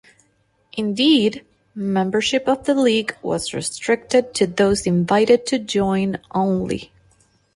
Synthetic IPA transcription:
ʔɨ̃ndid | mɛ̃mbə˞ʃɪpʌvðəliɡwʌ̰zɹɨ̰stɹ̥ɪk̚tɨd̚tʰɨðoʊzɨ̃ɱvaɪɾɨd̚tʰɨd͡ʒɔ̃ɪ̃nʔõʊ̃nlḭ

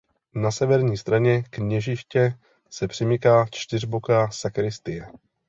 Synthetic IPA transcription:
nasɛvɛɾɲiːst̪ɾaɲɛkɲɛʒɪʃcɛ | sɛpr̝̥ɪmɪkaːt͡ʃt̪ɪrbokasakɾɪst̪ɪjɛ

